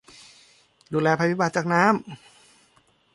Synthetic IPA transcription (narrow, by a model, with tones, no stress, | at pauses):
duː˧lɛː˧pʰaː˧jpʰi˦˥ba˨˩t̪̚t͡ɕaː˨˩k̚naː˦˥m